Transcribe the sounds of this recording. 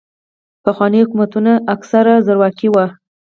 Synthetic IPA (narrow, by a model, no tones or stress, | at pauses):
paxwɑnihʊkumat̪unaʔːksaɾazəɾwɑkiwa